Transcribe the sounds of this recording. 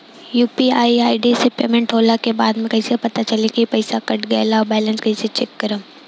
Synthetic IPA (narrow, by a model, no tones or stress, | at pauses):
juːpiaːiaːiɖisepḛːmẽɳʈoːlakebaːd̪mẽkɐisepɐt̪at͡ʃɐlekipɐɪsakɐʈʰɡalaɔbɛːlə̃nskɐiset͡ʃɛk̚ːɐɾəm